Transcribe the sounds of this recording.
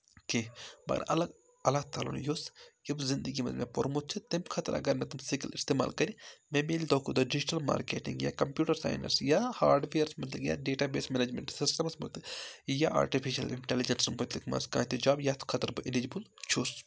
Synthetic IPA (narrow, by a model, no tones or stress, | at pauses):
kebɐ̰ɡ̰ɾɐ̰lɐɡ | ɐlat̪aːlo̰njosjɐbzind̪əɡimɐ̰t̪mepoɾmot̪̚t͡ʃʰit̪emkʰɐt̪ɐɾʔɐ̰ɡɐɾnɐt̪ɐmsikilist̪eːma̰ːlkɐɾimẽmeːlid̪oːkʰud̪ɐɖid͡ʒiʈɐlma̰ːɾkeːʈḭŋɡja̰ːkɐmpjuːʈɐɾsa̰ːjnɐ̰ɾsjahaːɾɖʋeːɾsmɐt̪lɐbja̰ːɖeːʈaːbeːsmɛned͡ʒmḛɳʈsisʈɐmɐsmɐt̪ɨjaʔa̰ːɾʈifʰiʃɐ̰lḭɳʈelid͡ʒɐnsɨmɦot̪likmɐ̰nskã̰ːt̪id͡ʒaːbjat̪kʰɐt̪ɐɾbɨʔilid͡ʒbult͡ʃʰoːs